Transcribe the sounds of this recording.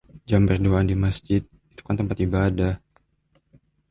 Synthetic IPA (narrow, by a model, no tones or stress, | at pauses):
d͡ʒambərduadimasd͡ʒɪt̪̚ | it̪u̥kant̪əmpat̪ibadah